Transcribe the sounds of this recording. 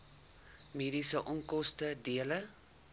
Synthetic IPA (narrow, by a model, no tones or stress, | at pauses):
meːdisəʔɔŋkɔstədiələ